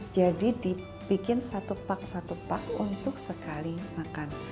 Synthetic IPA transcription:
d͡ʒadidi | pikɪnsat̪upak̚sat̪upakṵnt̪ʊksəkalimakan

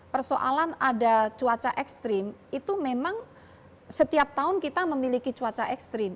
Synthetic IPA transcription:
pərsoʔalanadat͡ʃuat͡ʃaʔɛkst̪ɾɪmit̪umemaŋ | sət̪iap̚t̪aʊnkit̪aməmilikit͡ʃuat͡ʃaʔɛkst̪ɾɪm

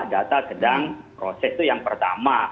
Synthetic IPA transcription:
dat̪asədaŋpɾosɛst̪ujaŋpərt̪ama

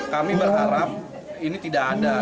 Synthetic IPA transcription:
kamibərɦaɾap̚ | init̪idakada

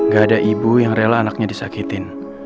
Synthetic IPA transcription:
ŋɡaːdaʔibujaŋrelaːnak̚ɲadisakit̪ɪn

